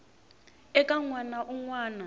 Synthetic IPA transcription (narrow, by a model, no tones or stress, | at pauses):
ɛkʼaŋwanaʔuŋwaːna